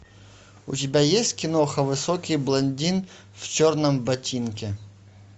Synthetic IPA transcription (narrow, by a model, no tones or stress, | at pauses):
utʲɪbʲajesʲtʲkʲɪnɔxɐvɨsɔkʲijblˠɐnʲdʲin | ft͡ʃɔrnɐmbɐtʲinkʲɛ